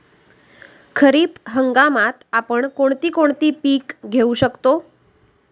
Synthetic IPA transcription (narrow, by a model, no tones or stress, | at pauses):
kʰəɾipɦəŋɡamat̪apəɳkoɳt̪ikoɳt̪ipikɡʱeũʃəkt̪o